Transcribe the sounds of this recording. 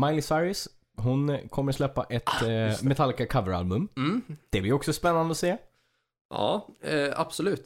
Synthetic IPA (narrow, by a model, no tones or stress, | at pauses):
majlɪsaɾɪs | ɦʊnkʰɔmːəɾaslɛpːa̰ʔɛt̪mɛt̪ʰalːkakʰavəɾa̰lbɵmd̪̥ɛblɪɾɔksɔspɛnːand̪əɔseː | ɑ̰ːa̰b̥sɔlʉ̟ːt̪